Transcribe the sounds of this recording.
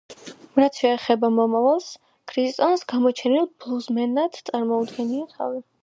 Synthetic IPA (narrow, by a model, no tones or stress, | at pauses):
ɾat̪sʰʃɛːχɛbamɔmavalˠs | kʰɾist̪ʼɔnsɡamɔt͡ʃʰɛnilˠblˠuzmɛnad̪t̪sʼaɾmɔud̪ɡɛniat̪ʰa̰vi